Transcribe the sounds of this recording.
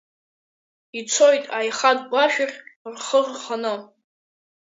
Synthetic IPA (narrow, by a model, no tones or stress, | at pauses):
it͡sʰojtʼajχad̚ɡʷaʃᶣɪrʲrχərχanɨ